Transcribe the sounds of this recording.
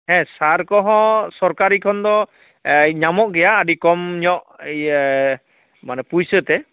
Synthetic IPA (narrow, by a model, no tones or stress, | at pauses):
ɦɛ̃saɾkɔɦɔ̃sɔɾkaɾikʰɔnd̪ɔ | ɲamɔʔɡɛjaːɖikɔmɲɔʔ | manɛpujsət̪ɛ